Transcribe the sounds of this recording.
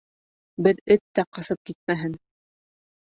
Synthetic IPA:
bɘɾɘt̪ːæqɑsɤp̚kit̪̚mæɦɘn

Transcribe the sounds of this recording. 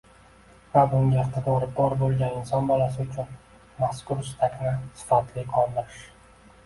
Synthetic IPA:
vabʊŋɡʲaɪqt̪ʰɪd̪ɒɾbɒɾbolˠɡʲanɪnsɒnbɒlasɪʊt͡ʃʰʊn | maskʊɾsɪ̥t̪ʰakʲnɪsɪ̥fat̪lɪqʰɒlˠd̪ɪɾɪʃ

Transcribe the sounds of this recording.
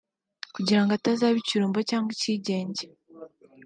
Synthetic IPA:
kuɟiɾaŋɡatazaːβiciɾuːmbocaːŋɡweciɟe̞ːɲɟe

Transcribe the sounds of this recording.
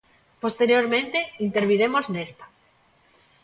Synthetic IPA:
post̪eɾjoɾmẽnt̪eint̪eɾβ̞iɾemoznest̪ḁ

